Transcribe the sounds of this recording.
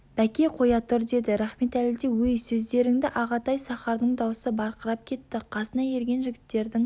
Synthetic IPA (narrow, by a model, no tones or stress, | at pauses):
b̥ækʲe̞qʰo̞jɑt̪ʰʊɾd̪e̞d̪ɪɾæχme̞t̪ælɪd̪e̞wɵjsɵzd̪e̞ɾɪŋd̪ɪʔɑʁɑt̪ɑjsɑχɑɾd̪əɴd̪ɑwsəbɑɾqəɾɑp̚kʲʰe̞t̪ːɪqʰɑsənɑje̞ɾɡʲe̞nʒɪɡʲɪt̪ːe̞ɾd̪ɪŋ